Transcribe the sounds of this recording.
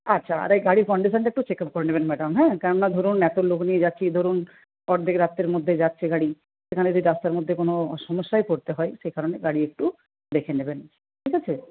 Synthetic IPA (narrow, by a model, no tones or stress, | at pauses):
atːɕʰaa̰ɾejɡaɽiɾkɔɳɖiʃ̬anʈekʈut͡ɕekap̚koɾenebenmɛɖamɦɛ̃kɛɾonnad̪ʱoɾunɛt̪oloknied͡ʑatːɕʰid̪ʱoɾun | ɔɾd̪ʱekɾat̪ːeɾmod̪ʱːed͡ʑatːʰeɡaɽi | ʃekʰaneod̪iɾast̪aɾmod̪ʱːekonoʃɔmoʃːaekoɾt̪eɦɔeʃejkaɾoneɡaɽiek̚ʈu | d̪ekʰeneben | ʈʰikʰat͡ɕʰe